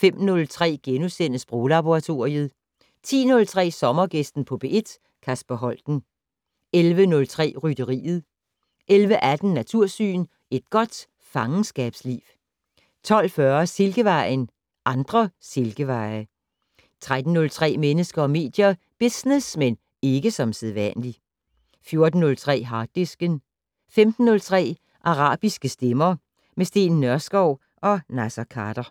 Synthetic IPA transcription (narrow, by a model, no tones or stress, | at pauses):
fem̰nɔ̽lt͡sʰʁɛ̰ːɡ̥enusen̰əsb̥ʁo̝ːlɑb̥o̝ʁɑ̈t͡sʰo̝ɐiəð̩ˠ | t͡sʰḭːnɔ̽lt͡sʰʁɛ̰ːsɒ̽mɐɡ̥esd̥n̩pʰɒ̽b̥e̝ʔed̥ | kʰæsb̥æɦɒ̽l̰d̥n̩ | elʋənɔ̽lt͡sʰʁɛ̰ːʁyd̥əʁḭːð̞̩ˠ | ʔelʋəʔæd̥n̩ːæt͡sʰuɐ̰sy̰ːn | e̝d̥̚ɡ̥ɒ̽d̥ | fɑ̈ŋn̩sɡ̥ɛ̰ːb̥slḭːw | t͡sʰɒ̽l̰fɶɐse̝lɡ̥əʋɑ̈ɪn | ʔɑ̈nd̥ʁɐse̝lɡ̥əʋɑ̈ɪ | t͡sʰʁad̥n̩ːɔ̽lt͡sʰʁɛ̰ːmenəsɡ̥ɐɒ̽me̝̰ːd̥jɐ | b̥isnesmen | e̝ɡ̥əsɒ̽mseðˠʋæn̰li | fjo̝ɐd̥n̩ːɔ̽lt͡sʰʁɛ̰ːɦɑ̈ːd̥isɡ̥ən | femd̥n̩ːɔ̽lt͡sʰʁɛ̰ː | ʔɑ̈ʁɑ̰̈ːb̥isɡ̥əsd̥emɐ | mesd̥e̝̰ːnn̩nːɶɐsɡ̥ɒʊ | ʔɒ̽næsɐkʰɑd̥ɐ